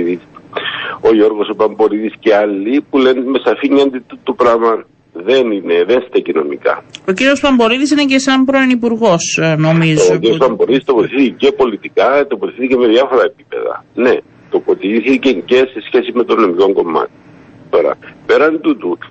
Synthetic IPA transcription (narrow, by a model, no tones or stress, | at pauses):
is | o̞ʝo̞ɾɣo̞sopɐmbo̞ɾiðisceɐlːipulenme̞sɐfiɲːɐnd̪it̪ːut̪ːupɾɐmɐn | ðe̞nineðenst̪ecino̞̰mḭkɐ̰ociɾio̞spɐmboɾiðis̬inecesɐmpɾoenipuɾɣo̞snomizciɾijospɐmboɾiðist̪opot̪iθiθicepo̞lit̪ikɐt̪opot̪iθiθiceme̞ðjɐfo̞ɾɐep̚i̥pe̞̰ðɐ̰ne | t̪o̞po̞t̪iθiceɲce̞se̞sçe̞sime̞t̪onomiko̞ŋɡo̞mːɐ̰t̪i | t̪o̞ɾɐ̰pe̞ɾɐnd̪ut̪u